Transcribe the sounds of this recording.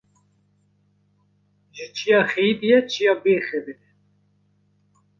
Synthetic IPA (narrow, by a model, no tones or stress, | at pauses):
ʒɪt͡ʃʰijɑːxed̪ijɛt͡ʃʰijɑːbeːxɛbɪnɛ